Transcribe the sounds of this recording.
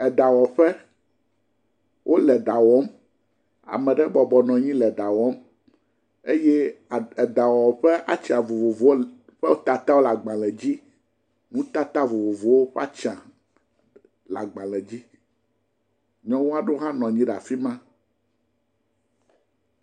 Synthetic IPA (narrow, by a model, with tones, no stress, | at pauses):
ɛ˨ɖa˨wɔ˨ɸɛ˦ | wʔo˦lɛ˨ɖa˨wɔ˦m | a̰˨mɛ̃˨ɖɛ˦bɔ˨bɔ˨nɔ̃˨ɲĩ˦lɛ˨ɖa˨wɔ˦m | e˦je˦˨da˨wɔ˨ɸɛ˦ʔa˦t͡ʃã˨vo˨vo˨vo˨˦o˦ | ɸɛ˦o˦t̪a˨t̪a˦wo˦la˨ɡ͡bã˨lɛ˨d͡ʑi˦ | nũ˦t̪a˦t̪a˦vo˨vo˨vo˨wo˦ɸa˦t͡ʃã˨ | la̰˨ɡ͡bã˨lɛ˨d͡ʑi˦ | ɲɔ̃˦wo˦a˦ɖo˦ɦã˦nɔ̃˨ɲĩ˦ɖa̰˨fi˦mã˦